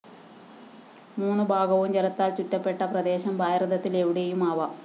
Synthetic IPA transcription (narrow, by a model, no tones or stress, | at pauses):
muːnːubʱaːɡɐʋumt͡ɕeɾɐt̪ːaːlt͡ɕutːɐpːe̞ʈːɐprɐd̪e̞ːɕɐmbʱaːjrɐd̪ɐt̪ːile̞ʋiɽe̞jumaːʋɐ